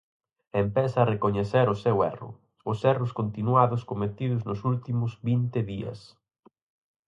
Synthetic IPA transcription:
empɛsɐːrekoɲeθɛɾʊsewɛrʊ̰ | ʊsɛrʊskont̪inwaðʊskomet̪iðʊznʊsult̪imʊzβint̪ɪðiɐ̰s

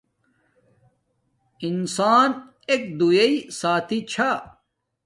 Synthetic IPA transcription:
insaːn | ek̚d̪ujɐisaːt̪ʰit͡ɕʰa

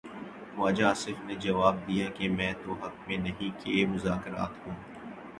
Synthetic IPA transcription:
ʋaːd͡ʒaːsɪfned͡ʒɐʋaːb̚d̪ijakemɛ̃ːt̪oɦɐk̚mẽnɐɦĩkemʊzaːkɪɾa̰ːt̪ɦũː

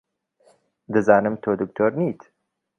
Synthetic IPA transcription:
d̪ɨzaːnɨmt̪ʰoːd̪uk̚t̪ʰoːɾniːt̪ʰ

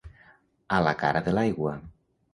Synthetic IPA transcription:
alaka̰ɾaðelajɣwa

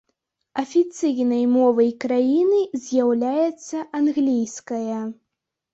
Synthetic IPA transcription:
ɐfʲit̪sɨjnɐjmɔvɐjkɾajinɨzʲjawlʲajɛt̪sːɐʔanɣlʲijskɐjɐ

